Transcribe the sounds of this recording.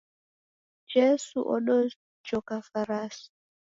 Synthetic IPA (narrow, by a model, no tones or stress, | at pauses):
d͡ʒɛsṵʔɔ̰nɔ | t͡ʃɔkafaɾasi̥